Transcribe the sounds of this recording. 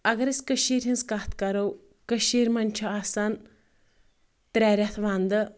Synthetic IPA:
ɐɡɐɾɐsʲkəʃiːɾʲɦinskaːt̪ʰkɐɾɐw | kəʃiːɾmɐnʲt͡ʃʰuaːsɐn | t̪ɾʲɛːɾʲɐt̪ʰʋaːnd̪ɨ

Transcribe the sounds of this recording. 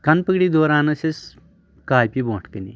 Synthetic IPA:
kɐnpɨɡɽid̪oːɾaːnɐsis | kaːjpibõːʈʰkɨnḭ

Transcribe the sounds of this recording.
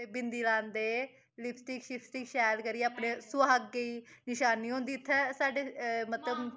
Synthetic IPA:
bɪnd̪iːlãːnd̪eː | lɪpʰsʈɪkʃɪpʰsʈɪkʃɛːlkəɾiːaːpnẽːsʊaːɦəkːeiːnɪʃaːniːɦõːnd̪iːt̪ʰːɛːsaːɖeːmət̪ləb

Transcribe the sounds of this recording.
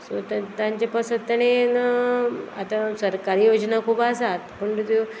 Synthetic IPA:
sot̪t̪jãɲt͡ɕapəsət̪ːaɽ̃en | at̪asəɾkaɾiːjod͡ʑnakʰubasat̪pəɳt̪t̪o

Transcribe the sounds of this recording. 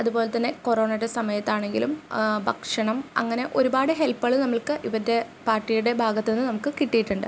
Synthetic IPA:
ɐðubo̞ːle̞t̪ːɐnːe̞ko̞ro̞ːɳɐɾesɐmɐjɐt̪ːaːɳe̞ŋɡilumbʱɐkʂɐɳɐmɐ̰ŋːɐne̞ʔo̞ɾubaːɽɨɦe̞lpːɐɭɨnɐmːɐɭkɨʔiʋɐd̪e | paːrʈːijuɽe̞bʱaːɡɐt̪ːe̞nːɨnɐmukːɨkiʈːijiʈːuɳɖɨ̰

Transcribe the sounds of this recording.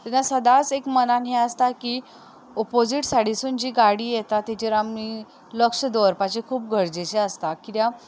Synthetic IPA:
t̪ɛnasəd̪at͡sekmənanɦeəst̪aki | ɔpod͡ziʈsaɽisuːnd͡ʑiːɡaɽiːjɛt̪at̪ːit͡ɕeɾami | ləkʂəd̪oɾpat͡ɕekʰuːp̚ɡʱəɽd͡zet͡ɕeəst̪akit̪jã

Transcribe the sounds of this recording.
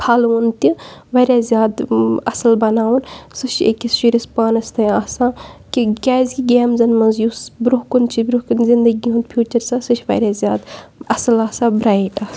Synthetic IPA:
pʰɐlunt̪iʋɐɾʲjaːzʲjaːd̪ɐsɐlbɐnaːwunsɨʃʰḛkʲisʃiɾʲispaːnɐst̪ɐjaːsãːkiɡʲaːzʲɡʲiɡʲeːmzɐnmɐnzjusbɾukunt͡ʃʰibɾuhkunzind̪ɐɡiũnd̪̚pʰjuːt͡ʃɐɾsaːsɨʃʰʋɐ̰ɾʲaːzʲjaːd̪ɐsɐlaːsaːbɾaːiʈaːs

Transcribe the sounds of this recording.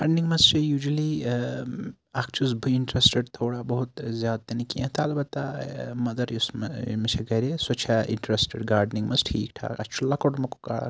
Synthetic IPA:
ɡaːɾɖniŋɡmɐst͡ʃʰijuːd͡ʒɐli | akʰt͡ʃʰusbʱuiɳʈɾesʈeɖt̪ʰoːɽabɐɦut̪zjaːd̪̚t̪ɐnikiɐ̃t̪ʰalbɐt̪ːamɐd̪ɐɾjusmɐt͡ʃʰɐɡɐɾesɐt͡ʃʰaḭɳʈɾesʈeɖɡaːɾɖniŋɡmɐsʈʰiːk̚ʈʰa̰ːkɐst͡ʃʰulɐkoʈmɐku̥ka̰

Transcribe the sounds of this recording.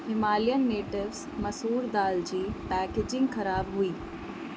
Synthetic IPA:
hɪmaːlijənːeːʈɪʋz̥ | mɐsɦuːɾd̪aːld͡ʑiːpɛːkeːd͡ʒɪ̃ŋɡxɐɾaːbɦʊiː

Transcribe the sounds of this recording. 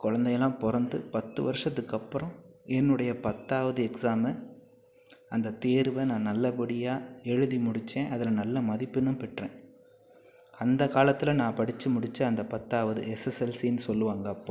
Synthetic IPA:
kɔɻɐnd̪ɐjɐlːãːpɔɾɐnd̪ɯpɐt̪ːɯʋɐɾɯʂɐt̪ːɯkːɐpːɯɾɔ̃ɛnːɯɽɐjɐpɐt̪ːaːʋɐðɯɛksaːmɛ | ɐnd̪ɐt̪eːɾʋɐnãːnɐlːɐpɐɽɪjaːɛɻɯðimʊɽɪt͡ʃːẽːʔɐðɪlɐnɐlːɐmɐðɪpːɯnːɯmpɛʈrḛ̃ː | ɐnd̪ɐkaːlɐt̪ːɪlɐnãːpɐɽɪt͡ʃːɯmʊɽɪt͡ʃːɐɐnd̪ɐpɐt̪ːaːʋɐðɯ̰ɛsɛsɛlsinːɯsɔlːɯʋaːŋɡɐːpːõː

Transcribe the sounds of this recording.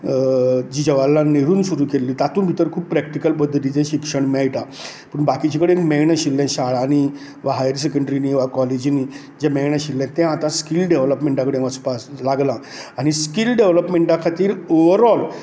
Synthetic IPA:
d͡ʑiːd͡ʑəʋalːaneɾuːnsuɾuːkelːiːt̪at̪uːnbʱit̪əɾkʰuːb̚pɾɛk̚ʈikəlpəd̪ʱːət̪it͡sẽɕikʂəɳmɛɭʈa | pəɳbakit͡ɕakəɽeekmɛɳəɕilːɛ̃ɕaɭaːɽ̃i | ʋaɦajəɾs̬ekəɳɖɾiniʋakɔled͡ʑini | d͡ʑɛmɛjɳəɕilːɛ̃t̪ːɛ̃at̪ãskilɖeʋləpmẽɳʈãkəɽẽʋəspaslaɡlã | aɽ̃iskilɖeʋləpmeɳʈakʰat̪iːɾoʋəɾɔl

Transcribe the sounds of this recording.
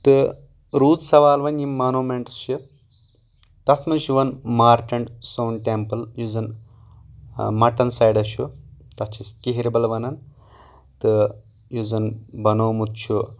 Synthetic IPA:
t̪ɨ | ɾuːt̪sɐʋaːlʋɐnimanoːmeɳʈst͡ʃʰɨ | t̪ɐt̪ʰmɐʃuʋɐnmaːɾʈɐɳɖsoːnʈempɐljuzɐn | mɐʈɐnsɐjɖɐʃut̪ɐt͡ʃʰiskiɦiɾibɐlɐʋɐnɐn | t̪ɨ | juzɐnbɐnoːmut̪̚t͡ʃʰu

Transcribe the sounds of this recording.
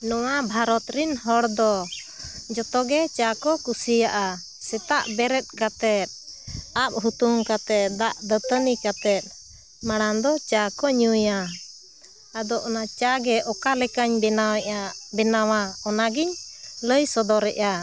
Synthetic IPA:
nɔwabʱaɾɔt̪ɾinɦɔɽd̪ɔ | d͡ʒɔt̪ɔɡɛt͡ʃakɔkusijaʔa | sɛt̪aʔbɛɾɛt̪̚kat̪ɛt̪̚ap̚ɦut̪umkat̪ɛt̪̚d̪aʔd̪ət̪ənikat̪ɛt̪̚ˀ | maɽ̃and̪ɔt͡ʃakɔɲuja | ad̪ɔʔɔnat͡ʃaɡɛʔɔkalɛkaɲɛabɛnawaɔnaɡiɲləjsɔd̪ɔɾɛʔa

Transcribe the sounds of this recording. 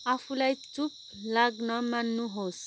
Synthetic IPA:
apʰulajt͡sup̚ | laɡnʌmanːuɦos

